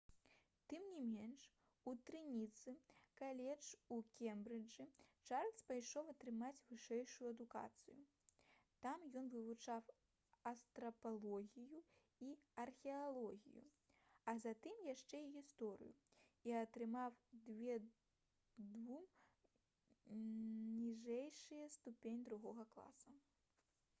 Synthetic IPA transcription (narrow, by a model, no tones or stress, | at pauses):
t̪ɨmnʲimʲɛnʂ | ut̪ɾɨnʲit̪sɨkalʲɛt͡ʂukʲɛmbɾɨd͡ʐɨt͡ʂarlʲspajʂɔwɐt̪ɾɨmat͡sʲvɨʂɛjʂujuɐd̪uka̰t̪sɨju | t̪amjɔnvɨvut͡ʂaw | ɐst̪ɾɐpalˠɔɣʲiju | iɐrxʲɛalˠɔɣʲḭjṵ | ɐzat̪ɨmjaʂt͡ʂɛiɣʲist̪ɔɾɨ̰ju | iɐt̪ɾɨmawd̪vʲɛ | d̪vum | nʲiʐɛjʂɨjɛst̪upʲenʲd̪ɾuɣɔɣɐklˠa̰sɐ